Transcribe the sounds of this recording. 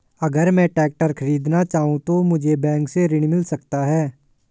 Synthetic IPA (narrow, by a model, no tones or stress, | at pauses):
ɐɡəɾmɛ̃ːʈɛːk̚ʈəɾkʰəɾiːd̪nat͡ʃaːɦũt̪omʊd͡ʒʱebɛ̃ːŋkseɾɪɽ̃mɪlsɐkt̪aɦɛː